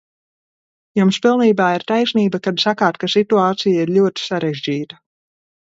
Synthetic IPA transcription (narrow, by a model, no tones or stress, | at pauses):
jumspilˠniːbaːiɾt̪ajsniːbakad̪sakaːt̪kasit̪uaːt̪sijaiɾʎʲuɔt̪i̥saɾeʒʲd͡ʒiːt̪ɐ